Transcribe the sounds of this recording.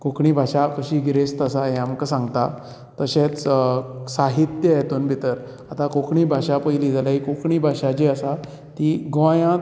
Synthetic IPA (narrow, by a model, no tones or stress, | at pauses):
kokɳiːbʱaɕakəɕiːɡɾest̪əsaɦeamkəsãŋɡt̪a | t̪əɕet͡s | saɦit̪jəjet̪uːnbʱit̪əɾ | at̪akokɳiːbʱaɕapəjlid͡zalaɦikokɳiːbʱaɕad͡ʑeəsa | t̪iɡõjã